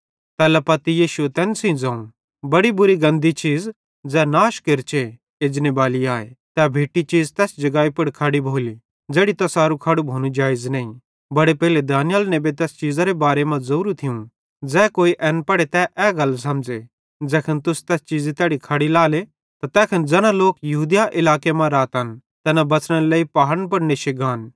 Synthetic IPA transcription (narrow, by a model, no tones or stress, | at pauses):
t̪ɛːlɛpɐt̪ijiːʃuet̪ɛ̃ːnsĩd͡zãːũ | bɐɽibʊɾiɡɐ̃nd̪it͡ʃiːd͡z | d͡zɛːnaːʃkɪɾt͡ʃe | eːd͡ʒnebaːliaːḛt̪ɛbʱeːʈit͡ʃiːd͡zt̪ɛːsd͡ʒɐɡaːipɐɽkʰaɽibʱoːli | d͡zeːɽit̪ɐsaːɾukʰɐɽubʱoːñũd͡ʒaːɪznɐ̃ːĩ | bɐɽepɛɦɪled̪aːnɪjəlnebet̪̬ɛːst͡ʃiːd͡zaɾebaːɾemɐ̃zɐɾuːɾut̪ʰɪũ | d͡zɛːkoːiʔɛːnpɐɽet̪ɛʔɛːɡɐls̬ɐmd͡ʒe | d͡zɛːkʰənt̪ʊst̪ɛːst͡ʃiːd͡zit̪ɛːɽikʰɐɽilaːle | t̪at̪ɛːkʰɐnd͡zɛnãloːkjɐɦuːd̪jaʔɪlaːkemãɾaːt̪ɦɐn | t̪ɛnabɐt͡sɽ̃əleːipaːɦəɾnp̬ɐɽneʃɪɡaːn